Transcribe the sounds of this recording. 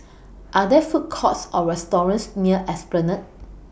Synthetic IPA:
ʔadɛfut̚kʰɔtsɔɹɛstɔɹə̃nsniəʔɛsplənə̃t̚

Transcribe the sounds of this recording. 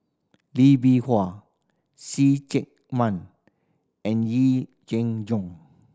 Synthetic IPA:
libiha | sit͡ʃɛk̚ | mãn | ɛ̃nji | d͡ʒɛ̃ŋd͡ʒɔ̃ŋ

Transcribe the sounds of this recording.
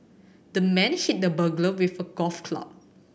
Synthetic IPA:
d̥əmɛ̃nhit̚dəbəɡləwifəɡɔfkʰla̰p̚

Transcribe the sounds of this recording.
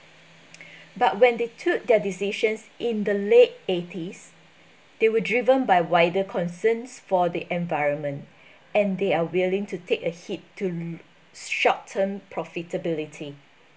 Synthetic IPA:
bat̚wɛ̃ndetʰuk̚dɛdisiʃə̃nsʔĩnd̪əlet̚etʰis | d̥ewədɹivə̃nbajwaɪdəkʰɔ̃nsə̃nsfɔdiʔɛ̃ɱvaɪɹə̃nmə̃nt | ɛ̃ndeawilĩŋtʰutʰekəhitʰːu | ʃɔttʰːə̃mpʰɹɔfitʰəbilitʰi

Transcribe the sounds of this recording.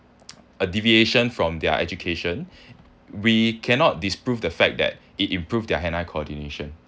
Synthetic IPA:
ədivieʃə̃nfɹɔ̃mdɛə̰ʔɛ̰d͡ʒukʰeʃə̃n | wikʰɛ̃nɔt̚dispɹuvdəfɛk̚dɛ̰t̚ | itĩmpɹuvdɛəɦɛ̃naɪkʰoɔdineʃə̃n

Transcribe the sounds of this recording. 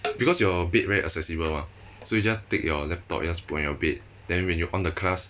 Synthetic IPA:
bikɔsjɔbet̚vɛɹiʔa̰ksɛsibəlwã | sojud͡ʒastekjɔlɛp̚tɔ̰p̚d͡ʒaspuɔ̃njɔbet̚ | d̥ɛ̃nwɛ̃njuʔɔ̃ndəkʰlas

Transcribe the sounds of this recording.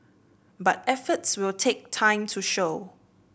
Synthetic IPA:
bat̚ɛfətswɪltʰek̚tʰãɪ̃mtʰuʃo

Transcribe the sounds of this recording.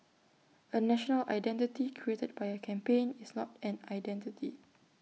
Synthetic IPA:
ənɛʃɔnəlʔa̰jdɛ̃ntitikʰɹietəd̚bajəkʰɛ̃mpẽnisnɔtɛ̃najdɛ̃ntitʰi

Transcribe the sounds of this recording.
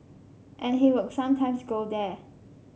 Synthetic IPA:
ʔɛ̃nɦiwɪdsãmtʰãɪ̃msɡodɛ

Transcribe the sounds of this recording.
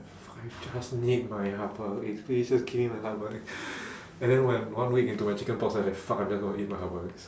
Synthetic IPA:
fakaɪfd͡ʒasnit̚maɪɦapəitspiisd͡ʒaskʰivĩmaɪɦapəlak | ɛ̃ndɛ̃nwɛ̃nwãnwikĩntumaɪt͡ʃikə̃npɔksaɪlakfakaɪ̃md͡ʒasɡõnhit̚maɪɦapəɛs

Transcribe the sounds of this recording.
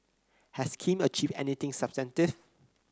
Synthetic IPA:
hɛskʰĩmət͡ʃivdɛ̰nit̪ɪ̃ŋsəpstɛ̃ntɪv

